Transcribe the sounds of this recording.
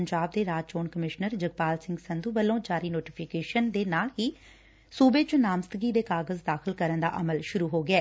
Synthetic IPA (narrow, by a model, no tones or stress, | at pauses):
əɲd͡ʒaːb̚d̪eːɾaːd͡ʒt͡ʃoːnkəmɪʃnəɾd͡ʒəɡpaːlsɪ̃ŋɡsənd̪uːbəlːõːd͡ʒaːɾiːnoːʈɪpʰɪkeːʃənd̪eːnaːlɦiː | suːbeːt͡ʃʊnaːmst̪əɡiːd̪eːkaːɡəzd̪aːxʰɪlkəɾənd̪a̰ːʔəməlʃʊɾuːɦoːɡɪɛː